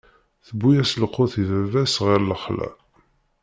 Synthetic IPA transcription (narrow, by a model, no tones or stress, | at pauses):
θəbːujæsləqːoθiðævæsʁɪɾləχlæ̰